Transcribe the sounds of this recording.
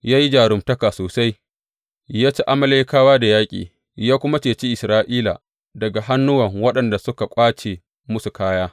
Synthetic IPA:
jaː˦ji˦d͡ʒaː˨ɽʊ˨mtɐ˦ka˨soː˨sa˦j | jaː˦t͡ʃe˦ʔa˦mɐ˨le˦kaː˦waː˦da˨jaː˦kʲʼḭː˨ | jaː˦kʷʊ˦ma˦t͡ʃeː˨t͡ʃi˦ʔɪ˨sɾaː˦ʔiː˦la̰˨ | dɐ˨ɡa˨ɦa˦nːʊ˦wɐ˨ŋwɐ˦ɗɐ˨nda˨sʊ˦ka˨kʷʼaː˦t͡ʃeː˨ | mʊ˦su˨kaː˦jaː˦

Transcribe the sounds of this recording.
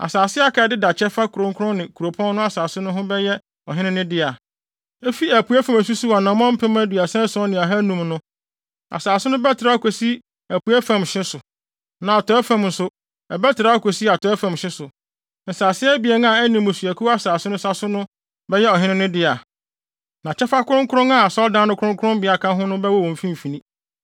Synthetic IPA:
a̰˨saː˨sɪ˦a˦kʰɛ˨˦˨dɪ˦da˨t͡ɕʰɛ˦fa˦kʰʊ˨ɾʊ̃˦ŋ˦kʰʊ˦ʊ̃˦nɪ̃˨kʰu˨ɾo˨pʰɔ̃˦n˦ʊ̃˦a˦saː˨sʊ˦nʊ̃˦ɦʊ̃˦bɛ˦jɛ˦ | ɔ˨ɦɪ̃˦nɪ̃˦nɪ̃˦dɪ˦a˨ | e˦fi˦æ˨pʰu˨˦æ˦fã˨mæ˨s̬u˦su˦a˨nã˨mɔ̃˦m̩˦pʰɛ̃˦m˦æ˦du˨a˨sã˦sɔ˦nɪ̃˨a˨ɦa˦nũ˨mnʊ̃˦ | a̰˨saː˨sʊ˦nʊ̃˦bɛ˦tʰɪ˨ɾa˦kʰʷo˨si˦ | æ˨pu˨æ˦fã˨mɕɪ̃˦sʊ˨ | nã˨a˨tʰɔ˦ɛ˦fã˨mn̩˨sʊ˦ | ɛ˨bɛ˦tʰɪ˨ɾa˦a˦kʰʷo˨si˦a˨tʰɔ˦ɛ˦fã˨mɕɪ̃˦sʊ˨ | n̩˨saː˨sɪ˦ɛ˦bɪ˨ɛ˨˦nã˦˨æ˦nĩ˨mʊ̃˨su˨æ˨kʰu˦a˦saː˨sʊ˦nʊ̃˦sa˦sʊ˦nʊ̃˦ | bɛ˦jɛ˦ɔ˨ɦɪ̃˦nɪ̃˦nʊ̃˦dɪ˦a˨ | nã˨t͡ɕʰɛ˦fa˦kʰʊ˦ɾʊ̃˦ŋkʰʊ˦ɾʊ̃˦ŋa˦a˨sɔ˦ldã˦nʊ̃˦kʰʊ˦ɾʊ̃˦ŋkʰʊ˦ɾʊ̃˦mbɪ˨a˨kʰã˦ɦʊ̃˦nʊ̃˦bɛ˦wɔ˦˨wɔ̃˨m̩˨fĩ˦m˨fĩ˨nĩ˦

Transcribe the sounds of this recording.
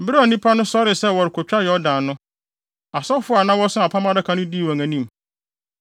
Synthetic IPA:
m̩˦bɪ˦ɾɪ˦a˨nĩ˦pʰa˦nʊ̃˦sɔ˦ɾɪ˨sɛ˦wɔ˨ɾɪ˨kʰɔ˨t͡ɕᶣa˦jɛ˨ɔ˦dã˨nʊ̃˦ | a˨sɔ˦fʊ˦a˨nã˦wɔ˦sʊ̃˦a˨pʰa˦mã˦dɪ˦kʰa˨nʊ̃˦di˦˨a˨ŋæ̃˨nĩ˦˨m

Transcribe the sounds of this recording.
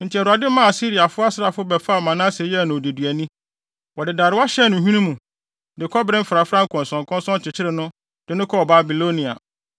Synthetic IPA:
n̩˨tʰi˨ɛ˨ɾʊ˨a˨dɪ˦mã˦a˨si˦ɾi˨a˨fʊ˦a˦sɪ˦ɾa˨fʊ˦bɛ˨fa˦˨mã˨nã˦sɛ˨˦˨nʊ̃˨de˨dɥæ˨nĩ˦ | wɔ˨dɪ˨da˨ɾɪ˨wa˦ɕɛ˦nʊ̃˨ɦĩ˦nũ˦mũ˨ | dɪ˨kʰɔ˦bɾɪ̃˦m̩˦fɾa˨fɾã˦ŋ̩˦kʰɔ̃˨n˨sɔ̃˨ŋ˨kʰɔ̃˦n˦sɔ̃˦nt͡ɕʰɪ˨t͡ɕʰɪ˦ɾɪ˨nʊ̃˦ | d̥ɪ˨nʊ̃˦kʰɔ˦˨ba˨bi˨lo˦nĩ˨a̰˨

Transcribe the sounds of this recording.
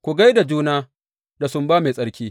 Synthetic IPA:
kʷu˨ɡa˦jda˨d͡ʒuː˦naː˦ | da˨sʊ˦mbaː˦me˨sʼɐ˦ɽkʲiː˦

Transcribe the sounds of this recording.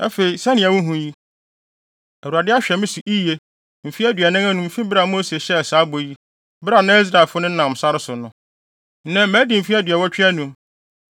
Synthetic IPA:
ɛ̰˦fe˨i˨sɛ˦nɪ̃˨æ˨wʊ̃˦ɦũ˦ji˦ | æ˨u˨a˨dɪ˦a˦ɕᶣɛ˨mɪ̃˦sʊ˨ʔi˦je˦ | m̩˨fi˦æ˦dɥɛ˨nã˦ŋã˦nʊ̃˨m̩˨fĩ˦bɪ˦ɾa˨˦m̃˦o˦se˨ɕɛ˦˨saː˨˦bo˨ji˦ | bɪ˦ɾa˨nã˦i˦s̬ɾa˨lfʊ˦nʊ̃˦n̩˦nã˨m˨sa˦ɾɪ˦sʊ˨nʊ̃˦ | n̩˦nã˦mæ̃˦dɪ˨m̩˨fi˦æ˦dɥɛ˨wɔ˦t͡ɕᶣɪ˦ɛ˦nũ˨

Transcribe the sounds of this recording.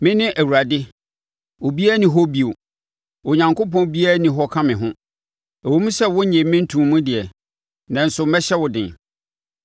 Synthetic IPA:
mɪ̃˦nɪ̃˦ʔæ˨wu˨ɾa˨dɪ˦ | o˨bi˦a˦nɪ̃˨ɦɔ˦bi˨o˨ | o˨ɲã˨ŋko˦pɔ̃˦bi˦a˦nĩ˨ɦɔ˦kʰã˦mɪ̃˨ɦʊ̃˦ | ɛ˨wo˦mũ˦sɛ˦wʊ̃˦ɲɛ̃˨mɪ̃˦n̩˦tʰũ˨mmũ˦dɪ˨ɛ˨ | nã˨n̩˨sʊ˨mɛ̃˦ɕɛ˦wʊ˨dɪ̃˨n

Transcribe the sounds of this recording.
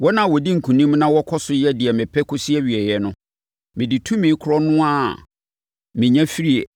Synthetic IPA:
wɔ˦nã˦˨wɔ˨di˦ŋ̩˨kʰũ˨nĩ˦mnã˦wɔ˦kʰɔ˦sʊ˨˦jɛ˦di˨ɛ˨mɪ̃˨pʰɛ˦kʰʊ˦si˦ɛ˦ɥi˨ɛ˨jɛ˨nʊ̃˦ | mɪ̃˨di˨tʰũ˦mɪ̃˨˦kʰʊ˨ɾɔ˦nʊ̃˦a˦˨ | mɪ̃˨ɲã˦fi˦ɾi˦e˨

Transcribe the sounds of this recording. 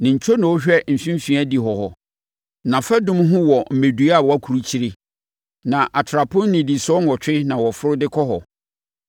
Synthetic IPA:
nɪ̃˨ɲ̩˨t͡ɕᶣʰɔ˦nʊ̃˨wo˦ɕᶣɛ˦m̩˨fĩ˦m˦fĩ˦æ˦di˨ɦɔ˨hɔ˨ | nã˨fɛ˦dʊ̃˦m˦ɦʊ̃˦wɔ˨m̩˨mẽ˨du˨˦a˦˨wɔ˨˦a˦kʰu˨ɾu˦t͡ɕʰi˦ɾɪ˦ | nã˨ʔa˨tʰɾa˨pʰʊ̃˦n˦nĩ˨di˨sɔ˦n˦˨ɔ˨t͡ɕᶣɪ˦nã˨wɔ˨fʊ˦ɾʊ˦dɪ˦kʰɔ˦ɦɔ˨

